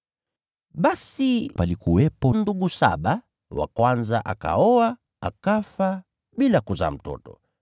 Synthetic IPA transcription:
ɓasipalikuwɛpɔnduɡusa̰ɓa | wa̰kwanzaʔaka̰ɔa | akafa | ɓilakuza̰ːm̩tɔ̰tɔ̰

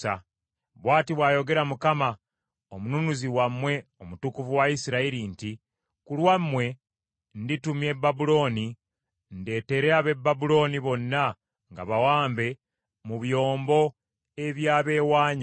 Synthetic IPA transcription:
a | βwaːtiβwaːjo̞ɡe̞ɾamukama | omununuziwamːwe̞o̞mutukuvuwaisiɾaiɾinti | kulwamːwe̞ | nditumje̞babulo̞ːni | nde̞ːte̞ɾeaβe̞bːabulo̞ːniβo̞nːa | ŋɡa̰βawaːmbe̞ | muβjo̞ːmbo̞ | e̞βjaːβe̞ːwaːɲa

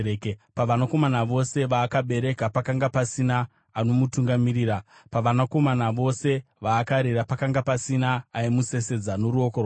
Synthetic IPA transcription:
paʋanako̞manaʋo̞se̞ʋaːkaɓe̞ɾe̞kapakaŋɡapasinaː | no̞mutuŋɡamiɾiːɾapaʋanako̞manaʋo̞se̞ | ʋaːkaɾeɾapakaŋɡapasinaːimuse̞se̞d͡zano̞ɾuokoro

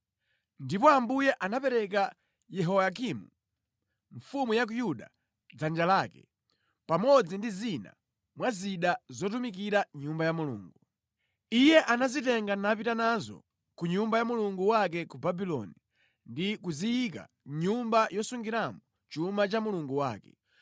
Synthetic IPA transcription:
ndipɔambujɛʔanapɛɾɛka | jɛɦɔak̬imu | ɱfumujak̬ujuɗa̰ | d͡zand͡ʒalakɛ̰ | pamɔd͡zindizina̰ | mwaziɗazɔtumikiɾaɲumbajamulṵːŋɡu | ijɛʔanazitɛŋɡanapitanazɔ̰ | kuɲumbajamuluŋɡuwak̬ɛkubabilɔ̰ni | ndikuzijika̰ | ɲumbajɔsuŋɡiɾambɔ | t͡ʃumat͡ʃamuluŋɡuwa̰ːkɛ̥̰

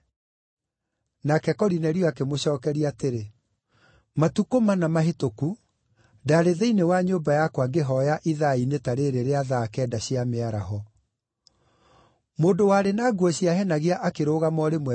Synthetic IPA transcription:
nakɛkɔɾinɛɾiɔakemoɕɔːkɛɾiateɾe | matukomanamaɦetoku | daɾeðɛinewaɲoːbajakwaŋɡeɦɔjaʔiðainetaɾeːɾeɾeaðakɛːdaɕiameaɾaɦɔ | moːndowaːɾenaːɡwɔɕiaɦɛnaɣiaʔakeɾoːɣamɔɾemwɛ

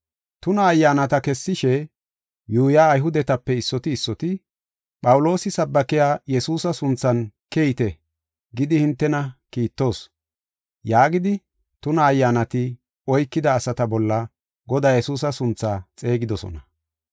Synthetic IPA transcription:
t̪ʊnɐːjːaːnɐt̪ɐkɛsːɪʃɛ | juːjaːjɦʊd̪ɛt̪ɐpːɛɪsːɔt̪ɪːsːɔt̪ɪ | pʼɐwlo̞ːsɪsɐbːɐkɪjaːjɛsuːsɐsʊnt͡sːɐnkejɪt̪ɛ | ɡɪd̪ɪhɪnt̪ːɛnɐkiːt̪ːo̞ːs | jaːɡɪd̪ɪ | t̪ʊnɐːjːanɐt̪ɪ | ɔjkːɪd̪ɐːsɐt̪ɐbɔlːɐ | ɡɔd̪aːjɛsuːsɐsʊnt͡sːaːt͡sʼe̞ːɡɪd̪ɔsɔ̰nɐ

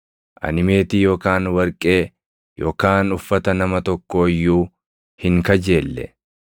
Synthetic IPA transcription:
ʔɐ̰nɪme̞ːt̪iːjo̞ːkaːnwɐɾkʼe̞ː | jʔoːkaːnʊfːɐt̪ɐnɐmɐt̪ɔkːo̞ːɪjːuː | hɪŋkɐd͡ʒe̞ːlːɛ̰

